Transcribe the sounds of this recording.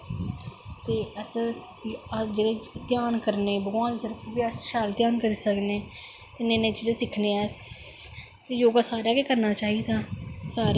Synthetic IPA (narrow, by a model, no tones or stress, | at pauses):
t̪eːəs | d͡ʒeːɽeːt̪ɪjaːnkəɾneːbəɡʋãːnd̪ːt̪əɾkʰiːbiːəsʃaːlt̪jaːnkəɾiːsəkneː | t̪eːneːnẽːt͡ʃiːd͡ʒeːsɪkʰneːɛː | t̪eːjoːɡaːsaːɾaːkeːkəɾnaːt͡ʃaːɦid̪aːsaːɾ